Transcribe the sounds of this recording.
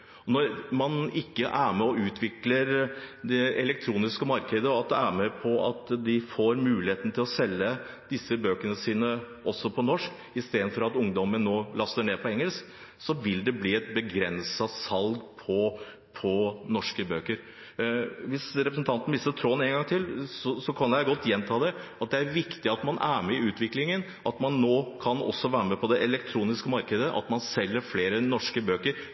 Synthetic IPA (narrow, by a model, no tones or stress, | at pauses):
ɔnɔɾmɑnɪkːəʔæːmɛɔʉːt̪ʰʋɪkləɾd̪ɛɛlɛk̚t̪ʰɾuːnɪskəmɑɾkəd̪əɔɑt̪̚d̪ɛæːɾməpʰɔɑ̰t̪d̪ɪfoːɾmʉːlɪheːt̪nət̪ɪlɔsɛlːə | d̪̥ɪsːəbøːkəɳəsiːnə | ʔɔsːɔpʰɔnɔʂk | ɪst̪eːd̪nfɔɾɑt̪ʊŋd̪ɔmənːoːlɑst̪əɳeːpʰɔɛŋəlsk | sɔʋɪld̪ɛbliːɛt̪̚bəɡɾɛnsɑsɑlɡpʰɔ | pʰɔnɔʂkəbøːkəɾ | ʋɪsɾɛpɾəsn̩t̪ʰɑnt̪n̩ʋɪst̪ət̪ʰɾoːneːnŋɡɑŋt̪ʰɪlsɔsɔkʰɑnjæɪɡɔt̪ːjɛnt̪ʰɑːd̪ɛɑt̪̚d̪ɛæɾʋɪkt̪ɪɑt̪mɑnʔæːɾmɛɪʉːt̪ʋɪklɪŋən | ʔɑt̪mɑnːoːkʰɑnɔ̰sːɔʋæːɾəmɛpʰɔd̪ɛʔɛlɛkt̪ʰɾuːnɪskəmɑɾkəd̪əʔɑ̰t̪mɑnsɛlːəɾfleːɾənɔʂkəbøːkəɾ